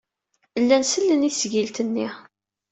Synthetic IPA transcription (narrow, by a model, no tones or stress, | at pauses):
lːænsəlːəniθsʝilt̪ənːi